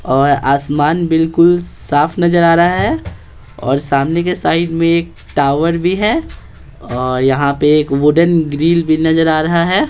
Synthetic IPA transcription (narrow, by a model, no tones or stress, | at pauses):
ɔːɾaːsmaːnbɪlkʊlsaːfʰnɐd͡ʒəɾaːɾɐɦaɦɛː | ɔ̰ːɾsaːmnekesaːɪɖmẽeːk̚ | ʈaːʊʋəɾbʱiɦɛː | ɔːɾjɐɦãpeeːkʋʊɖənɡɾiːlbʱinɐzəɾaːɾɐɦaɦɛː